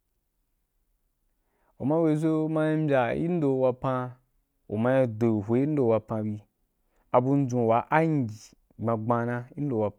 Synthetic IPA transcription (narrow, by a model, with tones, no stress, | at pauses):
u˨mã˦we˧zo˦mã˦i˦m˦bʲa˨ḭ˦n̩˦do˧wa˧pã˧ | ṵ˨ma˧ji˧do˨ɦʷe˨˦i˦n̩˦do˨˧wa˧pã˧bi˧ | a˨bu˧n̩˦d͡zũ˨wa˨˦ʔa˦ɲ˨ɡʲi˨ | ɡ͡bã˧ɡ͡bã˧nã˧i˦n̩˦do˨wa˧